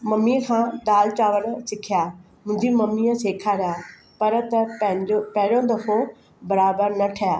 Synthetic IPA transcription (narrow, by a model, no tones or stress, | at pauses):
mɐmikʰãːd̪aːlt͡ɕaːʋəɽsɪkʰijaː | mʊ̃ɦɪ̃ɲd͡ʑimɐmiəseːkʰaɾɐjaː | pɐɾt̪ɐɐ̃ɪ̃d͡ʑopɐ̃ɦɪɽõd̪ɐfʰo | bɐɾaːbəɾnɐʈʰɐjaː